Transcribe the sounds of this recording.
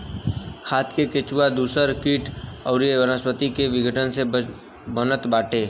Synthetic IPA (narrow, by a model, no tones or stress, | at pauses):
kʰaːt̪keket͡ʃuad̪uːsəɾkiːʈɐʊɾiəʋəɾəspət̪ikeʋɪɡʱəʈənse | bənət̪baːʈʰeː